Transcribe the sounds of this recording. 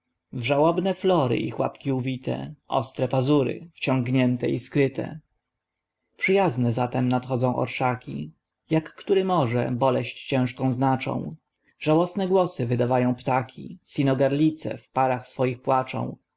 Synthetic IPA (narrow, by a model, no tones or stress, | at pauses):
vʐawɔbnɛflɔɾɘ̰ʔḭxwa̰pkʲiubʲit̪ɛ̰ʔɔ̰st̪ɾɛpazuɾɘ̰ft͡ɕɔŋɡɲɛnt̪ɛiskɾɘt̪ɛ̰ | pʂɘjaznɛzat̪ɛmnat̪xɔd̪zɔ̃w̃ʔɔ̰ɾʂakʲḭ | jakːt̪uɾɘmɔʐɛ̰bɔlɛɕt͡ɕt͡ɕɛ̃ʂkɔ̃w̃znat͡ʂɔ̰̃w̃ | ʐ̥awɔsnɛɡwɔsɘvɘd̪avajɔ̃w̃pt̪akʲʰḭsʲinɔɡaɾlʲit̪sɛ̰fpaɾaxsfɔjixpwat͡ʂɔ̰̃w̃